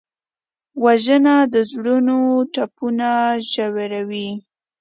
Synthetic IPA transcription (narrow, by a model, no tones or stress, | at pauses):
waʒənad̪əzɽunoʈapunaʒaweɾawi